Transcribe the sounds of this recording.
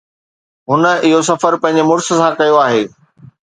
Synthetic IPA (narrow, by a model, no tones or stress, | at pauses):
ɦʊnə̆ɪɦos̬ɐfəɾpɐ̃ɦɪ̃ɲ̆d͡ʑemʊɾsə̆sãkɐjoaːɦeː